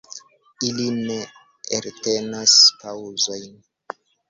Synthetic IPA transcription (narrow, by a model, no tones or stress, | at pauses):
iline̞ | eɾte̞naspawzo̞jn